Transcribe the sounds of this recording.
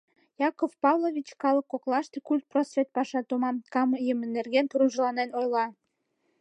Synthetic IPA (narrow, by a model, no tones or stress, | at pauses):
jɑkofpɑvlˠoβʲit͡ɕkɑləkːoklɑʃt̪ekulʲt̪̚prosvʲet̪̚pɑʃɑt̪omɑmkɑməjəmənːerɣenkəɾunʒəlɑnenojlɑ